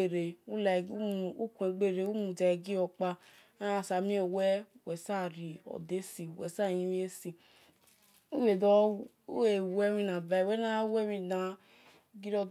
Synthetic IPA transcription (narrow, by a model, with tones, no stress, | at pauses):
e˨ɾe˨u˦la˨˦˨u˦ku˨ẽ˨ɡ͡be˦˨ɾe˨u˦mũ˨da˨ɡi˦ɔ˧k͡pa˧ | a˦˨sa˨mĩ˦e˦˨wɛ˦wɛ˨sa˦˨ɾi˨ɔ̰˨de˦si˨wɛ̰˨sa˦˨jĩ˦i˦e˦si˨ | u˦we˨dɔ˦ | e˨˦ɛ˦mĩ˦nã˨ba˨wɛ˦na˦wɛ˦mĩ˧na˨ | ɡi˦ɾɔ˧